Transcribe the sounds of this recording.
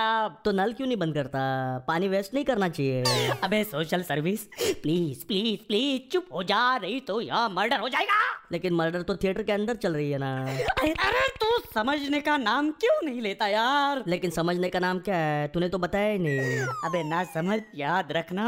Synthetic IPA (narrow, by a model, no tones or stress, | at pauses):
at̪onɐlkjũːnɐɦĩbɐ̃nd̪̚kɐɾt̪apaːniʋeːsʈnɐɦĩkɐɾnat͡ʃaːɦieɐbʱeːsoːʃəlsɐɾʋispliːzpliːzpliːzt͡ʃʊpɦod͡ʒaːɾɐɦit̪ojãmɐɾɖəɾɦod͡ʒaːeːɡaːleːkɪnməɾɖəɾt̪ot̪ʰijeːʈəɾkeɐ̃nd̪əɾt͡ʃɐlɾɐɦiɦɛnaːɐɐɾet̪usɐməd͡ʒʱnekanaːmkjõːnɐɦĩleːt̪ajaːɾleːkɪnsɐməd͡ʒʱnekanaːmkjaːɦɛt̪ʊnẽt̪obɐt̪aːjainɐĩɐbenɐsɐməd͡ʒjaːd̪ɾɐkʰna